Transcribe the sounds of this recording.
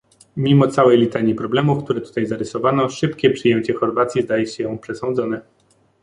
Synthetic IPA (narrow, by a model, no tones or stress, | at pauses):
mʲimɔt̪sawɛjlʲit̪aɲipɾɔblɛmufk̚t̪uɾɛt̪u̥t̪ajzaɾɘsɔvanɔʂɘpkʲɛpʂɘjɛmt͡ɕɛxɔɾvat̪sʲjizd̪ajɛɕɛjɔ̃pʂɛsɔ̃ñd̪zɔnɛ